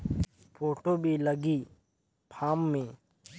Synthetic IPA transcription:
pʰoːʈoːbʱiːləɡiː | pʰaːmːẽː

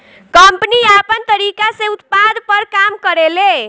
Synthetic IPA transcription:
kəmpəniapənt̪əɾikasẽut̪pad̪pəɾkamkəɾele

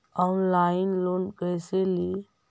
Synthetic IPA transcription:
ɔːnlaːɪnloːnkəjseli

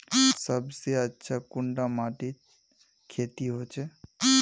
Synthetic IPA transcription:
səbseətːʃʰakʊɳɖamaʈi | kʰet̪iɦot͡ʃʰe

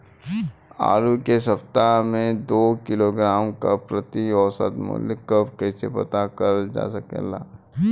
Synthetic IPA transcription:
a̰ːɾukesɐpt̪aɦmẽd̪oːkɪloɡɾaːmkapɾət̪iɔːsə̰t̪mo̰lɪkːəpkɛːsepɐt̪akɐɾd͡ʒa̰ːsɐkḛlaː

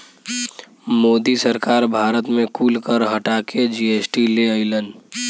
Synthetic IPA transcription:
moːd̪isəɾkaːɾbʱaːɾət̪mẽkuːlkəɾɦɐʈaːked͡ʒieːsʈileəɪlənɖ

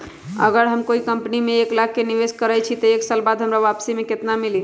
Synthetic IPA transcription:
ə̰ɡəɾɦəmkoikəmpnimeeklaɡ̚keniʋeskəɾət͡ʃʰit̪əeksəlbad̪ɦəmɾaʋapsimeket̪namili

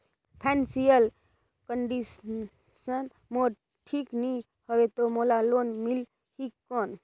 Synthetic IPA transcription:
pʰɛnsijəl | kəɳɖis | sən | moɾ | ʈʰikni | həʋet̪omolalonmil | hikːɔn

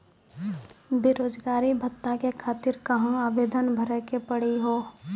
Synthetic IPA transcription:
bɪɾoːd͡ʒɡaːɾibʱət̪ːakekʰaːt̪ɪɾkɐɦãaːʋeːd̪ənbʱəɾɛkepəɽ̤iɦoː

